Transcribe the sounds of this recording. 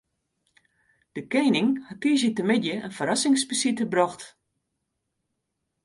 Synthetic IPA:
d̥əkejnɪŋhatiːs̬jətəmɪdjəʔənfəɾasɪŋspəsitəbrɔxt

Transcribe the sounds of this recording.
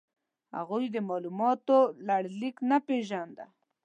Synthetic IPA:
ha̰ɣujd̪əmɑlumɑt̪olaɽliknapeʒand̪a̰

